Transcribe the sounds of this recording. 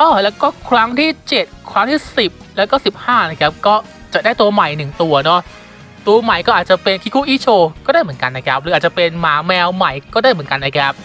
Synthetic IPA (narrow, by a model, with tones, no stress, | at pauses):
ʔɔː˧˩lɛː˦˥wkɔː˥˩kʰɾa˦˥ŋt̪ʰiː˥˩t͡ɕe˨˩t̪̚kʰɾa˦˥ŋt̪ʰiː˥˩si˨˩p̚lɛː˦˥wkɔː˥˩si˨˩p̚haː˥˩na˦˥˩kʰa˦˥p̚kɔː˥˩ | t͡ɕa˨˩daː˥˩jt̪u˧ɐma˨˩jnɯ˨˩ŋt̪u˧ɐnɔ˦˥ | t̪u˧ɐma˨˩jkɔː˥˩ʔaː˨˩t̪̚t͡ɕa˨˩pe˧nkʰiː˦˥˩kʰuː˥˩ʔiː˦˥˩t͡ɕʰoː˧kɔː˥˩daː˥˩jmɯ˩˦ənka˧nːa˦˥jkʰa˦˥p̚ɾɯː˨˦ʔa˨˩t͡ɕa˨˩pe˧nmaː˨˩˦mɛː˧wma˨˩jkɔː˥˩daː˥˩jmɯ˩˦ə˦nka˧nːa˦˥jkʰɛ˦˥p̚